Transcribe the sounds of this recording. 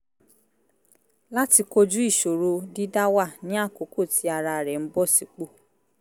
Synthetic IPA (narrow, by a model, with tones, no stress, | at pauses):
la˦ti˧ko˧d͡ʒu˦i˦˨ʃo˨ɾo˧di˦da˦wa˦˨nĩ˨˦a˦˨ko˨˦ko˦˨ti˨˦a˧ɾa˧˨ɾɛ˨m̩˦bɔ˦˨si˨˦k͡po˦˨